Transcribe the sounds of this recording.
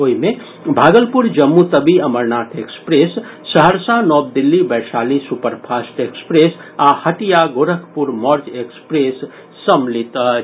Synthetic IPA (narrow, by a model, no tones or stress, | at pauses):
oime | bʱaɡəlpuɾd͡ʒəmːut̪əbiəməɾnaʈ̪ʰekspɾesːəɦəɾsanɔb̚d̪ilːibɛɾsalisupəɾpʰasʈekspɾesahəʈijaɡoɾəkʰpuɾmɔɾd͡ʒekspɾesː | əmlit̪